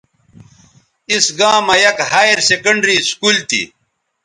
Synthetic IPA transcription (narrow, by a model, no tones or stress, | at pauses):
isɡãːmɐjɐkhaːjeɾsekɐɳɖɾiskult̪ḭ